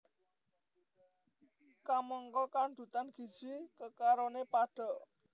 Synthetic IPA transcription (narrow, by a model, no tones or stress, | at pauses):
kamɔŋkɔkand̪̥ṳt̪anɡ̥i̤̥d͡ʒ̥ikəkaɾonepaɖ̥ɔʔ